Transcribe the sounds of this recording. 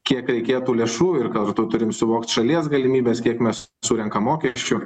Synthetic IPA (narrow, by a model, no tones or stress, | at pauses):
kʲiɛkɾʲɛɪkʲeːt̪uːlʲeːʃuːɪrkɐɾt̪ʊt̪ʊɾʲɪmsʊʋoːkt̪ʃɐlʲiɛsɡɐlʲɪmʲiːbʲeːskʲiɛkmʲɛs | suːɾʲɛŋkɐmːoːkʲɛʃʲt͡ʃʲʊ